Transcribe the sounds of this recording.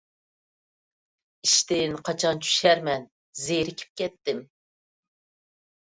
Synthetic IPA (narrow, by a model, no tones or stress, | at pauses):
iʃt̪ɪnqʰɑt͡ʃʰɑnt͡ʃʰy̥ʃɛɾmɛn | zejɾɪkʲʰi̥p̚kʲɛt̪ːɪm